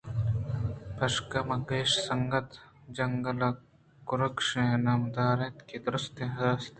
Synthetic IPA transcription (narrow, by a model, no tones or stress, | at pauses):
pʰɐʃkɐmɐɡeːʃsɐŋɡɐt̪ | d͡ʒɐŋɡɐlɐ | kʊɾɐkʂẽnaːmd̪aːɾẽːt̪kid̪ɾʊst̪ẽɐd̪aːst̪ː